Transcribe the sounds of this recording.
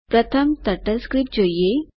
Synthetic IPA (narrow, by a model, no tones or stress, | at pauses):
pɾɐt̪ʰəmt̪ɐʈəskɾip̚ʈd͡ʑoje